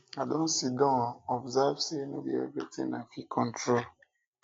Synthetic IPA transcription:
adõn̩sidɔ̃ɔbzavsenobiḛvitḭ̃ŋnafikʰɔ̃n̩tɾol

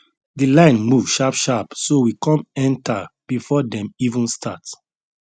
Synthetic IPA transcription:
dilãɪ̃nmuvʃapʃapsowikɔ̃mɛ̃ntab̥ifɔdɛ̃mivũnstʰat

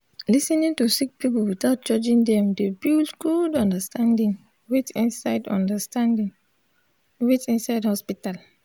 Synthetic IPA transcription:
lisɛnĩntusik̚pipulwitaʊt̚d͡ʒɔd͡ʒĩndɛ̃mdebildɡ̥udɔ̃ndastãndĩŋ | wetĩnsaɪdɔ̰̃ndastãndĩŋ | wetĩnsaɪdhɔspital

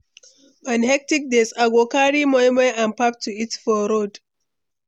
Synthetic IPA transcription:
ãnhɛk̚tik̚desaɡokaɹimɔjmɛʔãnpap̚tʰuitfɔɾod

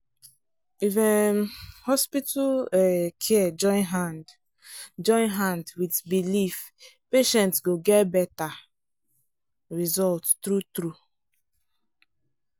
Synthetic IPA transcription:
ivɛ̃nhɔspituɛkʰɛɛd͡ʒɔ̃j̃nɦand | d͡ʒɔ̃ɪ̃nɦãndwitbilif | peʃɛ̃ntsɡoɡɛtbɛta | ɹizɔlttɹutɹu

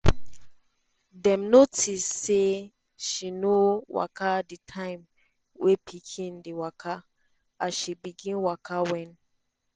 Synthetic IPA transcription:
dɛ̃mnotʰisːe | ʃinowa̰kʰaditʰãɪ̃m | wʔepʰikʰĩndiwakʰa | aʃibiɡĩnwakʰawɛ̃n

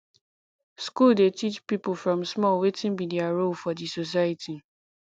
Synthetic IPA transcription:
skulˠdetʰit͡ʃpipl̩fɹɔ̃msmɔlˠwetɪ̃nmidiaɹolfɔdisos̬ajatʰi

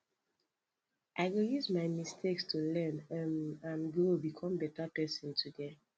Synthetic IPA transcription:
ʔaɪɡojuzmaɪmistʰekstʰulɛnãnɡobikʰɔ̃mbɛtapɛsɔ̃ntʰude

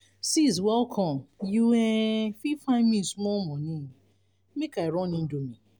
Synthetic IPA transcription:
siz̬wɛlkʰɔ̃mjuɛfifãmĩsmɔmɔ̃nĩ | mekaiɾɔ̃nĩn̩domĩ

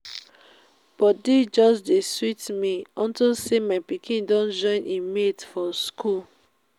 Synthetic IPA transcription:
b̥ɔdid͡ʒɔsdeswitmiɔ̃ntilsemapikʰĩndɔ̃nd͡ʒɔ̃ɪ̃nĩmetfɔskul

